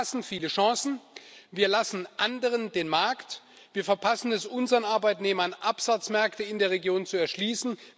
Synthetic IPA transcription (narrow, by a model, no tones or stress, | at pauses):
asn̩fiːləʃɑ̃ːsn̩viːɐlasn̩ʔandəʁ̞əndeːnmaɐkt | v̥iːɐfɛɐpʰasn̩ɛsʔʊnzəʁənʔaɐbaɪtneːmɐnʔapz̥at͡smɛɐktəɪndeːɐʁ̞eɡjoːnt͡suɛɐʃliːsn̩